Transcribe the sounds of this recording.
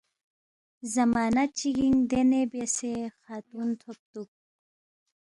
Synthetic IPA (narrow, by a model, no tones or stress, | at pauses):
zɐmɑːnat͡ʃiɡiŋd̪enebesexaːt̪unt̪ʰop̚t̪uk̚